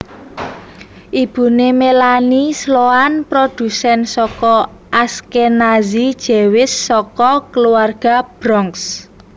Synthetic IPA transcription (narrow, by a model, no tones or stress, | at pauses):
ʔib̥ṳnemelanisloanpɾod̪̥ṳsɛnsɔkɔ | ʔaskenazid̥ʒ̥e̤wɪsːɔkɔkəluarɡ̥a̤b̥ɾɔŋks